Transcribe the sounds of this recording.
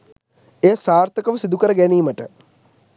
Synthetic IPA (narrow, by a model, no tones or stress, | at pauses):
eːsaːrt̪əkəʋəsid̪ukəɾəɡæniːməʈə